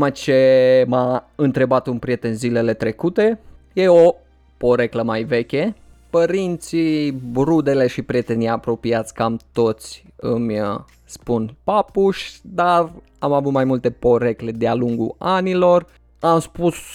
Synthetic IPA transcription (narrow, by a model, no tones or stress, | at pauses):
mat͡ʃe̞maɨnt̪ɾe̞bat̪unpɾije̞t̪e̞nzile̞le̞t̪ɾe̞kut̪e̞je̞o | po̞ɾe̞kləmajve̞kʲe̞ | pəɾint̪sibɾud̪e̞le̞ʃipɾie̞t̪e̞nijapɾo̞piat̪sʲkamt̪o̞t̪sʲɨmj | spunpapuʃʲd̪ar | amavut̪majmult̪e̞po̞ɾe̞kle̞d̪ealuŋɡṵanilo̞r | amspus